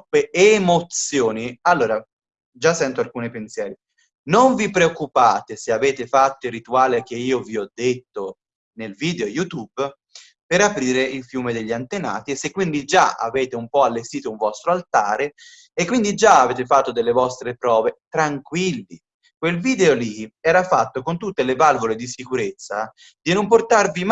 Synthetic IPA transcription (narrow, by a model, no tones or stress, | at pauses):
eeːmot̪sjoːnialːoːɾa | d͡ʒasːɛnt̪oalkuːnipensjɛːɾi | noɱvipɾeokːupaːt̪eseaveːt̪efat̪ːoirːit̪uaːlek̟eiːoviɔd̪ːet̪ːo | nelviːd̪eojut̪ub | peɾapɾiːɾeilfjuːmed̪eʎːiant̪ena̰ːt̪iesːekːwind̪id͡ʒaa̰veːt̪eumpɔalːest̪iːt̪ouɱvɔst̪ɾoalt̪aːɾe | ekːwind̪id͡ʒaaveːt̪efat̪ːod̪elːevɔst̪ɾepɾɔːvet̪ɾaŋkwilːi | kwelviːd̪eoliɛːɾafat̪ːokont̪ut̪ːelevalvoled̪isikuɾet̪sːa | d̪inomport̪arvim